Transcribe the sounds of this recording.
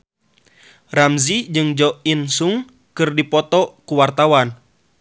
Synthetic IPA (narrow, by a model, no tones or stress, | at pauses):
ramzid͡ʒɨŋd͡ʒɔʔinsuŋ | kɨrdipɔt̪ɔkuwart̪awan